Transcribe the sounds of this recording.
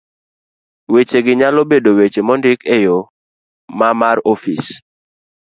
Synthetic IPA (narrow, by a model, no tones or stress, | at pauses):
wet͡ʃeɡɪɲalɔbedowet͡ʃemɔndɪkejo | mamarɔfis